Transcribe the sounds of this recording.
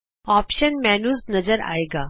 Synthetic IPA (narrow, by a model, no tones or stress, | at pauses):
ɔːpʃənmɛnuːznɐd͡zəɾa̰ːeːɡaː